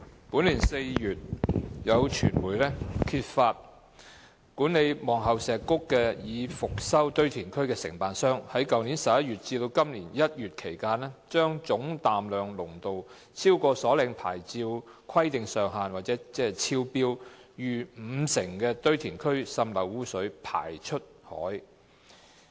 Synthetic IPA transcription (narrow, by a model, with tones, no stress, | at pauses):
puː˨˥nliː˨˩nse˧jjyː˨t̚jɐ˨˧wt͡ʃʰy̰ː˨˩nmuː˨˩jlɛː˥kʰiː˧t̚faː˧t̚ | kuː˨˥nle˨˧jmɔː˨˩ŋɦɐ˨wsɛː˨kʊ˥kːɛː˧jiː˨˧fʊ˨k̚sɐ˥wt̪ɵ˥ɥt̪ʰiː˨˩nkʰɵ˥ɥkɛː˧sɪ̰˨˩ŋpaː˨nsœː˥ŋhɐ˨˥jkɐ˨wniː˨˥nsɐ˨p̚jɐ˥t̚ɥyː˨t̚t͡siː˧d̪o˧wkɐ˥mliː˨˩njɐ˥t̚jyː˨t̚kʰe˨˩jkaː˧nlɛː˥t͡ʃœː˥ŋt͡sʊ˨˥ŋt̪aː˨mlœː˨ŋlʊ˨˩ŋt̪o˨w | t͡sʰiː˥wkɔː˧sɔː˨˥lɪ˧ŋpʰa̰ː˨˩jt͡siː˧wkʰɐ˥jt̪ɪ˨ŋsœː˨ŋɦaː˨nwaː˨˩t̚t͡sɛː˨˥t͡sɛː˥˨t͡sʰiː˧wpiː˥wjyː˨˩m̩ː˨˧sɪ˨˩ŋkɛː˧t̪ɵ˥ɥt̪ʰiː˨˩nkʰɵ˥ɥsɐ˧mlɐ˨˩wːuː˥sɵ˨˥ɥpʰa̰ː˨˩jt͡ʃʰɵ˥t̚hɔ̰ː˨˥j